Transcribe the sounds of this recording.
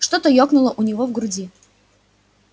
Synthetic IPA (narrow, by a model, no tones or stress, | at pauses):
ʂt̪ot̪əjoknʊlˠəʔʊnʲɪvovɡɾʊdʲi